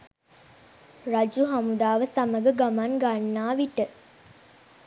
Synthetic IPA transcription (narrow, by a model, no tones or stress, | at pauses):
rad͡ʒuɦamud̪aːʋəsaməɡəɡamanɡanːaːʋiʈə